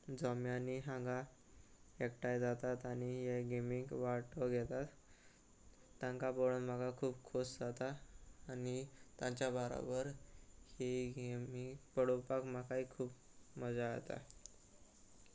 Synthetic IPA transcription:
d͡zɔmjaniɦãŋɡa | ekʈajd͡zat̪at̪añiɦeɡemikʋaʈəɡʱɛt̪at̪ | ãŋkabɔɽənmaɡakʰuːbkʰosd͡zat̪aːnit̪jãɲt͡ɕjabəɾa̰bəɾheɡemipəɽopakmakaikʰuːp | məd͡zaət̪a̰

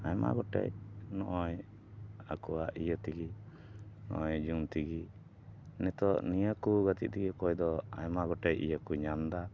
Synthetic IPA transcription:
ajma̰ɡɔʈɛ̰jnɔʔɔj | akuwaʔijət̪iɡi | nɔ̰ʔɔjd͡ʒunt̪iɡi | nɛt̪ɔnijəkuɡat̪ḭt̪̚t̪iɡɛkɔjd̪ɔa̰jmaɡɔʈɛjḭjəkuɲamd̪a

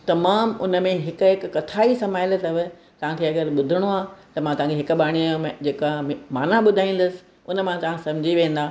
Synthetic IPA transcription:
t̪ɐmaːmʊnə̆mẽɦɪkʊɦɪkkɐt̪ʰaːisɐmaːɪlət̪ɐʋɪ̆ | t̪ɐʋ̤ãkʰeɐɠəɾɓʊd̪ʱɪɽ̃oaːt̪ɐmãt̪ɐʋ̤ɦãkʰeɦɪkʊ̆ɓaːɽ̃imd͡ʑeːkamaːnaɓʊd̪ʱaːĩːn̆d̪ʊsɪ̥̆ | ʊnəmãt̪ɐʋãsɐ̃mɪd͡ʑʱiʋẽːn̆d̪aː

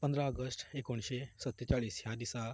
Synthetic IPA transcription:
pə̃nd̪ɾaəɡəsʈekoɳ̃ʃesət̪ːjət͡ʃaːɭiːsjãd̪isa

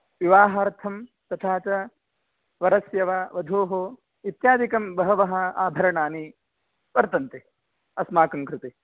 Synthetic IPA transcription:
ʋiʋaːɦaːɾt̪ʰɐm | t̪ɐt̪ʰaːt͡ʃɐ | ʋɐɾɐsjɐʋɐʋɐd̪ʱoːɦo | it̪jaːd̪ikɐmbɐɦɐʋɐɦɐ̆aːbʱɐɾɐɳaːni | ʋɐɾt̪ɐnt̪e | ɐsmaːkɐŋkɾɪt̪i

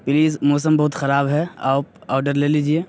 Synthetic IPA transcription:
pɪliːzmɔːs̬əmbɐɦʊt̪xɐɾaːbɦɛaːp̚aːɖəɾleːliːd͡ʒieː

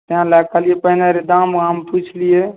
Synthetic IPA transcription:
t̪ɦãlakəlijepəɦinaɾed̪aməmput͡ʃʰlije

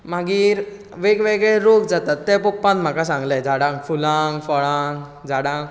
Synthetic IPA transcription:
maɡiːɾ | ʋeɡʋeɡɭɛɾoɡd͡zat̪at̪ːɛpɔk̚pãnt̪m̤akasãŋɡled͡zʱaɽãŋɡfulaŋɡfɔɭãŋɡ | d͡zʱaɽãŋɡ

